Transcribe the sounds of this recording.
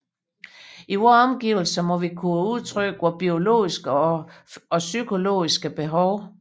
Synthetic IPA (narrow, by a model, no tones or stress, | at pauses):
iʋɒɒ̽mɡ̥iːʊl̩sɐmɒ̽ʋikʰuuð̞ˠt͡sʰʁœɡ̥ʋɒb̥io̝lo̝̰ːisɡ̥ə | ɒ̽sykʰo̝lo̝̰ːisɡ̥əb̥e̝ɦɒʊ